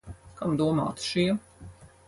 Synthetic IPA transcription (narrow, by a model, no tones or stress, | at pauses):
kamd̪uɔma̰ːt̪ʃiɛ